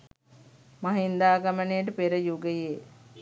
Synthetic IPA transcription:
maɦind̪aːɡɐmənejəʈ̬əpeɾəjuɡəje

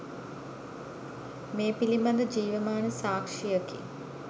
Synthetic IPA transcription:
meːpilimand̪əd͡ʒiːʋəmaːnəsaːkʂijəkḭ

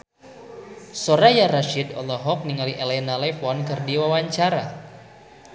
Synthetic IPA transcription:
soɾajaɾaʃidɔlɔɦɔk̚niŋaliʔɛlɛnalɛfɔnkɨrdiwawaɲt͡ʃaɾa̰

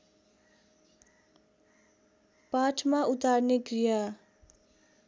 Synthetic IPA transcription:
paʈʰmaut̪arneɡrija

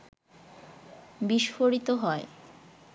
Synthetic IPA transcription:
biʃfoɾit̪oɦɔe

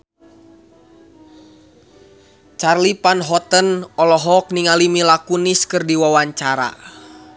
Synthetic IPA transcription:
t͡ʃarlipanɦɔt̪ənɔlɔɦɔk̚niŋalimilakuniskɨrdiwawaɲt͡ʃaɾa̰

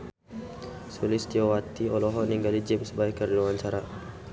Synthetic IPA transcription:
sulist̪iowat̪iɔlɔɦɔniŋɡalid͡ʒimsəbaikːərluaɲt͡ʃaɾa

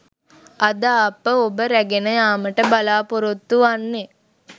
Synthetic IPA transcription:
ɐd̪aːpːəobəɾæɡenəjaːməʈəbalaːpoɾot̪ːuanːe

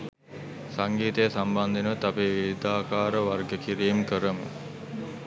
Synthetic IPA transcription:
saŋɡiːt̪əjəsamband̪inəʋət̪apeːʋid̪aːkaːɾəʋarɡəkiɾiːmkəɾəmə̰

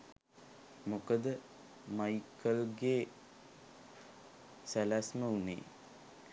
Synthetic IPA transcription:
mokəd̪ə | majikʰəlɡeː | sælæsməunḛː

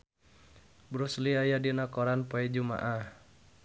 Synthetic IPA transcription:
bɾusliajadinakɔɾanpoɛd͡ʒuma̰ʔah

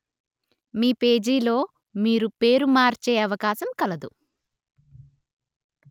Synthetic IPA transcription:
miːpe̞ːd͡ʒiːlo̞ː | miːɾupe̞ːɾumaːɾt͡ʃeːɐʋɐkaːsɐmkɐlɐd̪u

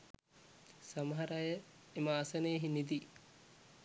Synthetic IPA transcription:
sɐmɐɦɐɾajəemaːsɐneːɦinid̪i

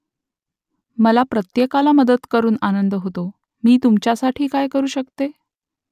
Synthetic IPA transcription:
məlapɾət̪jekalaməd̪ət̪kəɾuːnanənd̪ɦot̪o | miːt̪umt͡ɕjasaʈʰiːkajkəɾuːɕəkt̪e

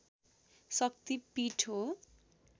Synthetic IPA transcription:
sʌk̚t̪ipiʈʰo

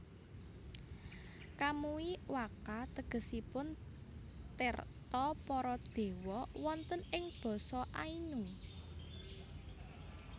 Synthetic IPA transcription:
kamuiwakat̪əɡ̥ə̤sipʊn | t̪ɪrt̪ɔpɔɾɔd̪̥e̤wɔwɔnt̪ənɪŋb̥ɔ̤sɔʔainu

